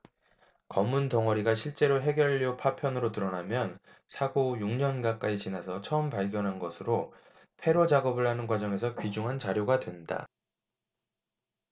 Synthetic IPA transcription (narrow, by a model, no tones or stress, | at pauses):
kʌmːuntʌŋʌɾiɡaɕʰiɭt͡ɕ͈e̞ɾoɦe̞ɡjʌʎːiopʰapʰjʌnɯɾotɯɾʌnamjʌn | sʰaɡojuŋɲʌnɡak͈ait͡ɕinasʰʌt͡ɕʰʌɯmpaɭɡjʌnɦanɡʌsʰɯɾo | pʰe̞ɾod͡ʑaɡʌbɯɭɦanɯnɡwad͡ʑʌŋe̞sʰʌkɥid͡ʑuŋɦant͡ɕaɾjoɡadwe̞nda̰